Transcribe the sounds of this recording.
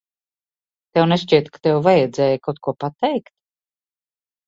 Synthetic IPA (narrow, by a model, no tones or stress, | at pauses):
t̪ɛwneʃt͡ʃiɛt̪kḁt̪ɛwvajɛd̪zɛːjakawt̪̚kuɔpat̪ɛjkt̪̚